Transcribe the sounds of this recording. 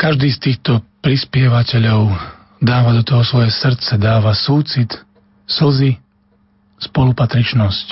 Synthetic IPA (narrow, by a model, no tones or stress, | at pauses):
kaʒd̪iːst̪iːxt̪ɔpɾispɪɛʋacɛʎɔʊ | d̪aːʋad̪ɔt̪ɔɦɔsʋɔjɛsr̩t̪t͡sɛd̪aːʋasuːt͡sit̪ | sl̩zi | spɔlupat̪ɾit͡ʃnɔsc